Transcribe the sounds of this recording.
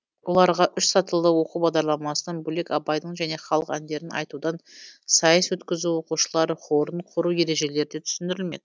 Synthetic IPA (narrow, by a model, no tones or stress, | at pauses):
wo̞lˠɑɾʁɑʔʏʃsɑt̪əlˠd̪əwo̞quwbɑʁd̪ɑɾlˠɑmɑsənɑnbʊle̞kɑpɑjd̪əɴʒæne̞χɑlˠəqænd̪e̞ɾɪnɑ̰jt̪ud̪ɑnsɑjəswɵt̪kʲɪzuwo̞quʃəlˠɑɾəχʰo̞ɾəɴqʰʊɾuje̞ɾe̞ʒe̞le̞ɾɪd̪et̪ʰʏ̥sɪnd̪ɪɾɪlme̞̰d̪ɪɪ